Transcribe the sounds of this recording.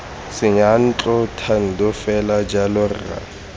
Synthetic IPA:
sɪɲan̩t͡ɬʼɔtʰan̩dʊfɛlad͡ʒalʊrra̰

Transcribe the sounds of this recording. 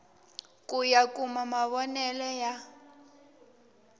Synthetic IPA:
kʼujakʼumamaβɔnɛlɛja

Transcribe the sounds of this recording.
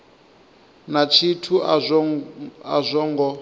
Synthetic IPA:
nat͡ʃʰitʰu | a̰zʷɔŋɡɔ

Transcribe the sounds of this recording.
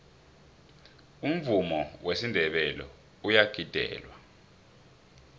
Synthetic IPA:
um̩vumɔwesindʱɛɓɛlɔ̰ | ujaɡ̥ʱid̥ʱɛ̰ːlwa

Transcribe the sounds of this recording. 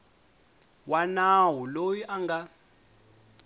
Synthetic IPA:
wanawulojiʔaŋɡa

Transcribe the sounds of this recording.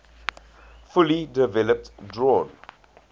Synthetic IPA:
fʊlidɪvɛləp̚tdɹɔ̃ːn

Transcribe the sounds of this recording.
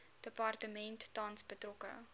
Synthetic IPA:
d̥əpɑrtəmɛntːɐnsbətrɔkə̰

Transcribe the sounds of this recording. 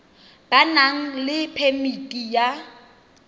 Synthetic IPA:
b̥anaŋ̩lɪpʰemitʼija

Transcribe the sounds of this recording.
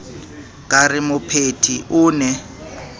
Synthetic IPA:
kʼarɪmʊpʰetʰiʔʊːnɛ

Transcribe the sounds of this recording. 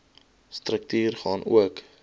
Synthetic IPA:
strək̚tyːrχɑːnṵək

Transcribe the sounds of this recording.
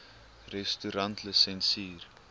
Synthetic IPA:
rɛstyɾɐntləsɛnsiːr

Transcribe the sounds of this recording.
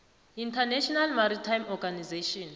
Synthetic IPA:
intʰanɛʃɔnalmaɾitʰajmɔɡanizeʃɔn

